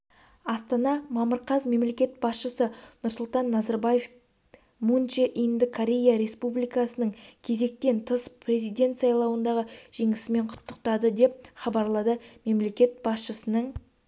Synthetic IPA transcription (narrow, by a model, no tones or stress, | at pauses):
ɑst̪ɑnɑmɑməɾqɑzme̞mle̞kʲe̞t̪̚bɑsʃəsənʊɾsʊlˠt̪ɑnːɑzɑɾbɑje̞f | munt͡ʃeʔind̪əkʰoɾʲe̞jaɾe̞spublijkɑsənəɴkʲʰe̞ze̞k̚t̪e̞nt̪ʰəspʰre̞zijd̪e̞nt̪sɑjlˠɑwənd̪ɑʁəʒ̥e̞ŋɪsɪme̞ɴqʰʊ̥t̪ːəq̚t̪ɑd̪əd̪e̞p̚χɑbɑɾlˠɑd̪əme̞mle̞kʲe̞t̪̚b̥ɑsʃəsənəɴ